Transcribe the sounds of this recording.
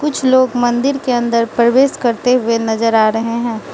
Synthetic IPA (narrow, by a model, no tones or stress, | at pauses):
kʊt͡ʃʰloːɡmɐ̃nd̪ɪɾkeɐ̃nd̪əɾpɾɐʋeːʃkɐɾt̪eɦʊenɐzəɾaːɾɐɦeɦɛ̃ː